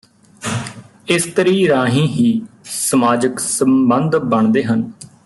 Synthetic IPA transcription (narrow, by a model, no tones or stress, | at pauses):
ɪst̪əɾiːɾaːɦĩːɦiːsəmaːd͡ʒəksəmbənd̪bəɳd̪eːɦən